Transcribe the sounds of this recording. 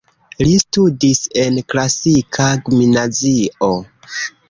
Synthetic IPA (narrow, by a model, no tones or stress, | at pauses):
listudise̞nklasikʰaɡminad͡zio